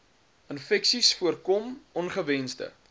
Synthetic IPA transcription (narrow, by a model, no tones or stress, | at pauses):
ənfɛksisfuərkɔmɔnχəvɛnsdə̰